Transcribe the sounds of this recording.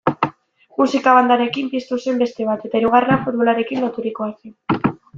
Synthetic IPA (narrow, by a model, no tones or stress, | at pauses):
musikaβand̪aɾe̞kimpiest̪use̞mbe̞st̪e̞βat̪e̞t̪aiɾuɣ̞arenafud̪βo̞laɾe̞kinlot̪uɾiko̞asen